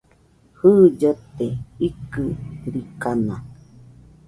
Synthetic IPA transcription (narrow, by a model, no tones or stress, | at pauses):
hɨd͡ʒət̪eikɨɾikana